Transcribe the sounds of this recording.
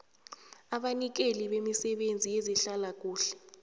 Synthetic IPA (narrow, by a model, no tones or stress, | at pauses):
aɓanik̬eliɓemisɛɓend͡zʱijeziɬalak̬ʼuːɬɛ̥